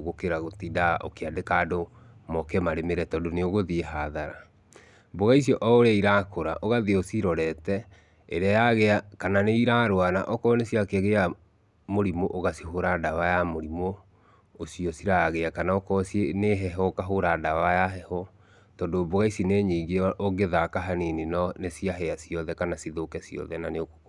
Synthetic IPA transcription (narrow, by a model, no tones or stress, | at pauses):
ɣokeɾaɣotidaʔo̰keadekado | mɔkɛmaɾemeɾɛtɔdoneoɣoðieɦaðaɾa | boɣais̬iɔʔɔoɾeaiɾakoɾa̰ʔoɣaðiosiɾɔɾɛtɛ | ḛɾeajaɣeakananeiɾaɾoanaʔɔkɔnesiakeɛɣea | moɾimoʔoɣasiɦoɾadawajamoɾimo | osiɔsiɾaɣeakanaɔkɔsneɦɛɦɔkaɦoɾadawajaɦɛhɔ | tɔndoboɣaisineɲeːɡeoɣeðakaɦanininɔnesiaɦɛasiɔðɛkanasiðokɛsiɔ̰ðɛnaneoko